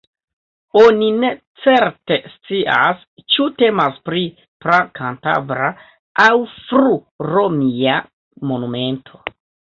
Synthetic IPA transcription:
onine̞ | t͡se̞ɾte̞st͡siʔa̰s | t͡ʃute̞maspɾi | pɾakʰanta̰vɾa | ʔawfɾu | ɾomia | mo̞nume̞ntʰo̞̥

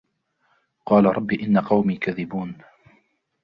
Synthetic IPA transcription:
qɑːlaɾˤɑbːiːʔɪnːaqɑwmiːkaðɪbuːn

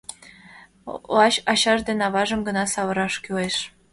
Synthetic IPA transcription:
ɑɕɑɕɑʒd̪enɑβɑʒə̆mɡɤ̆nɑsɑβɤ̆ɾɑʃkyleʃ

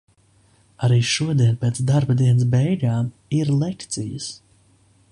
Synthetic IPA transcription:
aɾiːʃuɔd̪iɛnpeːt̪sd̪aɾbad̪iɛnəs̬bɛjɡaːm | iɾlˠekt̪sijəs

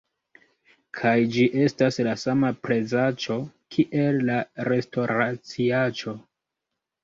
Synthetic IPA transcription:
kʰajd͡ʒiʔe̞staslasamapɾe̞zat͡ʃo̞kʰiʔe̞lːaɾe̞sto̞ɾat͡siat͡ʃo̞

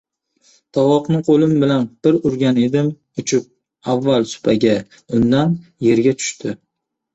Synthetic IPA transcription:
t̪ʰɒwɒqnɪqʰolɪmbɪlanb̥ɪɾʊɾɡʲane̞d̪ɪm | ʊt͡ʃʰʊp̚ | avːalsʊ̥pʰaɡʲa | ʊnd̪anje̞ɾɡʲat̪ʰʊ̥ʃt̪ʰɪ

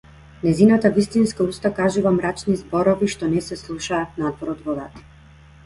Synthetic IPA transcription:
nɛzinat̪avist̪inskaust̪akaʒuvamɾat͡ʃnizbɔɾɔviʃt̪ɔnɛsɛslˠuʃaːt̪̚nad̪vɔɾɔd̪vɔd̪at̪i̥

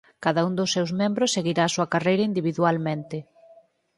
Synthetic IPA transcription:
kaðaund̪osːewzmẽmbɾʊsːeɣiɾaːsuɐkarejɾɐind̪iβiðualmẽnt̪ɪ

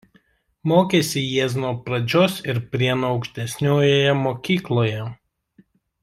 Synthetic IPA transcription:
moːkʲeːsʲɪjiɛs̬noɔpɾɐd͡ʒʲoːsɪɾpʲɾʲiɛnoɒʊkʃʲt̪ʲɛsʲnʲoːjojɛmoːkʲiːklˠoːjɛ

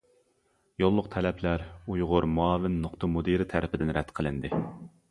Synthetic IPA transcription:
jolˠːʊq̚t̪ʰɛlɛpʰlæɾujʁʊɾmuɑːvɪnːʊqt̪ʰɑmud̪iɾɪt̪ʰæɾɪpʰɪd̪ɪnɾɛt̪qʰəlˠɪnd̪ɪ

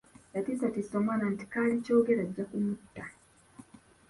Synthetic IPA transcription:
latisatisɔmananti̥kalit͡ʃɔɡeɾad͡ʒakumutːa

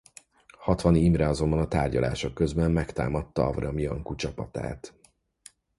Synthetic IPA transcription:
hɒt̪ʋɒniiːmrɛɒzo̞mbɒnɒt̪aːrɟɒla̰ːʃo̞kːøzbɛmːɛkt̪a̰ːmɒt̪ːɒɒvrɒmiɒŋkut͡ʃɒpɒt̪a̰ːt̪

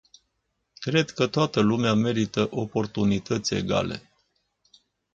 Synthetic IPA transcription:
kɾe̞d̪kət̪oat̪əlumeame̞ɾit̪əʔo̞po̞rt̪unit̪ət̪sʲe̞̰ɡa̰le̞̰

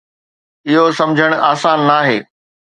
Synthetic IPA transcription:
ɪɦosɐ̃md͡ʑʱəɽ̃aːsaːnːaːɦeː

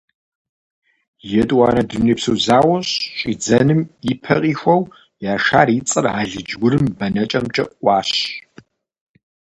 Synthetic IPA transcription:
jɛtʼwaːnɐdɨmniːpsɨzaːwɐɕɕɕʼiːd͡zɐnɨmipʰɐ̰qʼiːxʷɔw | jaːʃaːɾiːt͡sʼɨraːɮɨd͡ʒwʊɾɨmbɐnɐt͡ʃʼɐmt͡ʃʼɐʔʷɑːɕ

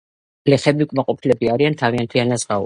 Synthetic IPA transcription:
lɛχɛbiukʼmaqʼɔpʰilɛbiaɾiant̪ʰaviant̪ʰianazʁau

